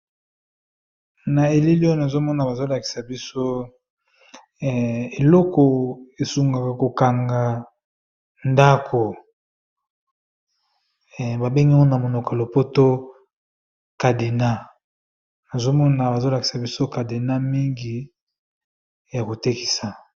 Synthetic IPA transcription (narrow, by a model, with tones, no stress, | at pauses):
na˨e˨li˦li˦o˦e˦na˨zo˦mɔ˦na˨ba˨zo˦la˨ki̥˨sa˨bi˦so˦˨ | e˨lɔ˦kɔ˨e˨su˨ŋɡa˨ka˨ko˨ka˨ŋɡa˨ | nda˦kʰo˨ | ba˨be˦ŋɡi˦mɔ˦na˨mo˨no˨ka˨lo˨po˦to˦ | ka˨de˨na˦ | na˨zo˦mɔ˦na˨ba˨zo˦la˨ki˨sa˨bi˦so˦ka˨de˨na˦mi˦ŋɡi˨ | ja˨ko˨te˦ki̥˨sa˨